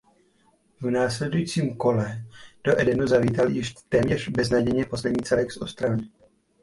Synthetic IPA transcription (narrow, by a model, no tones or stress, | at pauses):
vnaːslɛdujiːt͡siːmko̞lɛd̥o̞ʔɛdɛnuzaviːt̪aljɪʃt̪ɛːmɲɛʒbɛznaɟɛjɲɛpo̞slɛdɲiːt͡sɛlɛksʔost̪ɾalnɪ